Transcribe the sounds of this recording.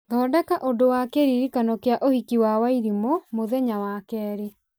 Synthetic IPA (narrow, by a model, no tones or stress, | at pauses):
ŋɡɔːdɛkaʔodowakeɾiɾikanɔkeaʔohikiwawaiɾimomoðɛɲawakɛːɾe